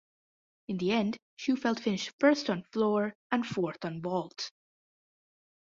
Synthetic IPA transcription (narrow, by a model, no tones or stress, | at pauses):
ɨ̃nðiɛ̃nd̥ | ʃʉfɛlˠtfɪ̃nɪʃtfɜ˞stn̩flɔɹə̃nfɔɹθn̩bɔlˠt